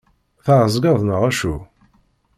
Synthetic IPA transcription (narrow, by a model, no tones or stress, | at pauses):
θaʕəzˤɡɑðˤnəʁæʃu